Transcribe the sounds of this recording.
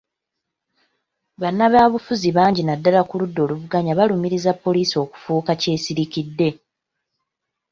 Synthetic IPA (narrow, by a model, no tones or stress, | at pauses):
βanːaβaːβufuziβaːɲɟinadːalakuludːo̞ːluvuɡaɲaβalumiɾizapːo̞liːsio̞ːku̥fuːkace̞ːsiɾikidːe̞